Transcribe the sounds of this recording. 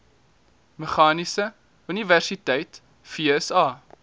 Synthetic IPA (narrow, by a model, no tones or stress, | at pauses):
məχɑːnisə | yniværsitɛjt | fiɛsɑː